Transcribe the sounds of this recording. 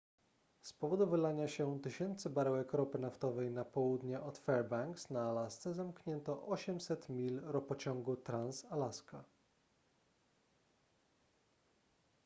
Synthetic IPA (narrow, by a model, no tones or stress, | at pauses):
spɔvɔd̪uvɘlaɲaɕɛt̪ɘɕɛnt̪sɘbaɾɛwɛkɾɔpɘnaft̪ɔvɛjnapɔwud̪ɲɛʔɔt̪fɛɾbaŋksnaːlast̪sɛzamkɲɛnt̪ɔʔɔɕɛmsɛt̪mʲilɾɔpɔt͡ɕɔ̃ŋɡut̪ɾansalaska